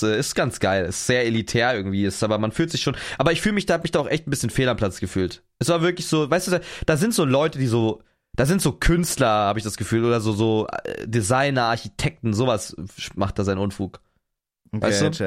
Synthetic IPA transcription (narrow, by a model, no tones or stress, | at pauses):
ʔɛːɪstɡ̥ant͡sɡ̥aɪlɛstz̥eːɐelitʰɛːɐʔɪɐɡŋ̩tv̥iːɪstʔaːbɐmanfyːltz̥ɪçʃoːnʔaːbɐɪçfyːləmɪçd̥ahatmɪçd̥aːaʊxʔɛçtn̩bɪsçənfeːlɐampʰl̥at͡sɡ̥əfyːlt | ʔɛsv̥aːɐvɪɐklɪçz̥oːvaɪstd̥uːdad̥aːzɪntz̥oːlɔʏtədiːzoː | d̥aːzɪntz̥oːkʰʏnstlɐhaːbəɪçd̥asɡ̥əfyːloːdɐzoːzoːɛ̰dizaɪnɐʔaɐçitʰɛk̚tn̩zoːvasmaχt̚d̥aːzaɪnʔʊnfuːk | a̰ɪsttu